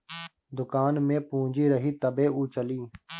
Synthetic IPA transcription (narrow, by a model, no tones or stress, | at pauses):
d̪ʊkaːnmẽːpũːd͡ʒiːɾəɦiːt̪əbeːʔuːt͡ʃəliː